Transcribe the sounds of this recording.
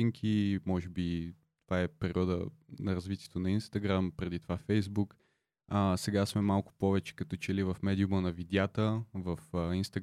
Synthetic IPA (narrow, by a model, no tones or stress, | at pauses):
iŋkʰimɔʒɛbi | t̪ovaɛpɛɾiɔd̪ə̰nɐɾɐzvit̪ʲiɛt̪onɐinst̪ɐɡɾampɾɛd̪it̪ovafɛjzbuk | əsɛɡasmɛmalˠkʊ̥pɔvɛt͡ʃɛ̥kɐt̪ɔt͡ʃɛlivɐfmɛd̪iumənɐvid̪ʲjat̪əvɐfəinst̪ɐɡ